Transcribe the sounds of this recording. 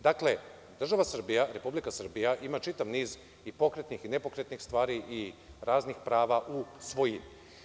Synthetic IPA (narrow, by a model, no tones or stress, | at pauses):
d̪akle̞ | d̪r̩ʒaʋasr̩bijaɾe̞publikasr̩bijaʔimat͡ʃit̪aʋniːz | ipo̞kɾet̪nixinepo̞kɾet̪nixst̪ʋaːɾiʔiɾaːznixpɾaːʋaʔusʋo̞jim